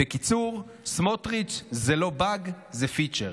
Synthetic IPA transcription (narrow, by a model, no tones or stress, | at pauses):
ekit͡suʁ | smotʁit͡ʃzelo̞baɡ | zefit͡ʃeʁ